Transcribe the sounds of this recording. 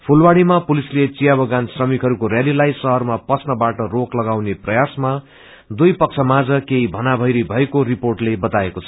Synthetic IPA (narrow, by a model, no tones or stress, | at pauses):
pʰulwaɽimapulislet͡sijabʌɡansrʌmikɦʌɾukoɾjalilajsʌɦʌrmapʌsnʌbaʈʌroklʌɡawneprʌjasma | d̪ujpʌk̚t͡sʰʌmad͡zʌkeɦibʱʌnabʱʌjɾijbʱʌekoɾiporʈlebʌt̪aekot͡sʰʌ̥